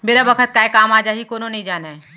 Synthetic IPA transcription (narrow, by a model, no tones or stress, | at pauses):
meːɾabəkʰət̪̚kaːekaːmaːd͡ʒaːɦikoːnonɐɦĩd͡ʒaːna